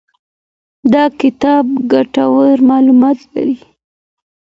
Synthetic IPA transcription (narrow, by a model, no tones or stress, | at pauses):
d̪ɑkɪt̪ɑbɡaʈawəɾmɑlumɑt̪la̰ɾi